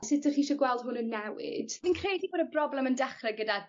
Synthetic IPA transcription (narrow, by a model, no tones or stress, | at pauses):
sɪdəχiːʃɔɡwɛlˠd̥ɦʊnənːɛwɪ̰d̥viːnkʰrejdiɡɔdəbrɔblɛməndɛχrɛɡəda